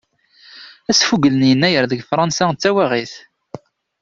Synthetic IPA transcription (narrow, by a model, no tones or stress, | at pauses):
æsfuɡlənjənːæjəɾðəɡfɾˤɑnsæt͡sːæwaʁiθ